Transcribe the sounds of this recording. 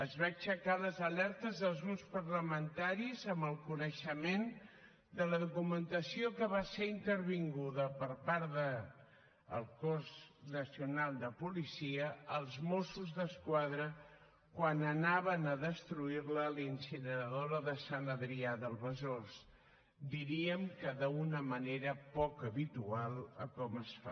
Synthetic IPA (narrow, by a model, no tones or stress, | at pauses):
əzβat͡ʃəkaləzəlɛɾt̪əzðəlˠzɣɾupspəɾləmənt̪aɾizəmbəlˠkunəʃəmen | d̪ələðukumənt̪əsiokəβaseɾint̪əɾβiŋɡuðəpəɾpaɾðə | ə̰lˠkorznəsiunalˠd̪əpulisiəəlˠzmosuzðəskwaðɾə | kwanənaβənəðəst̪ɾuiɾləlinsinəɾəðoɾəðəsanəðɾiaðəlˠβəzors | d̪iɾiəmkəðəunəməneɾəpɔkəβit̪ualˠəkɔməsfa̰